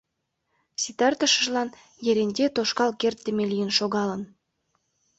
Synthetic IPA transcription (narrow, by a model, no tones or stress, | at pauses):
sit̪ɑrt̪ə̆ʃəʒlɑn | jeɾenʲd̪ʲet̪oʃkɑlkert̪ːĕmelijənʃoɣɑlən